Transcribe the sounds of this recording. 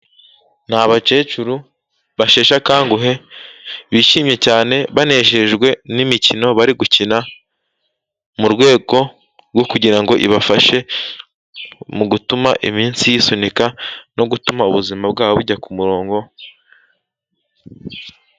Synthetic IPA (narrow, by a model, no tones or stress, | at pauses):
nhaβat͡ʃe̞ːt͡ʃuɾu | βaʃe̞ːʃakaːŋɡuɦe̞ | βiːʃiːmɲe̞caːne̞βane̞ːʃeʒɡwe̞nimicino̞βaɾiɡucina | muɾɡwe̞ːɡo̞ | ɾɡo̞kuɟiɾaŋɡo̞ʔḭβafaʃe̞ | muɡutumaʔimiːnsijisonikano̞ɡutumauβuzimabɡaːβoβuɟakumuɾo̞ːŋɡo̞